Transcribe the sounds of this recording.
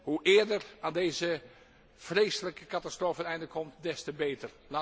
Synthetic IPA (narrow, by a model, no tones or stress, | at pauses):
huʔɪːəɹdəraːndejzə | freːsələkəkatastroːfənɛjndləkʰːɔmtdɛstəbeːtər | la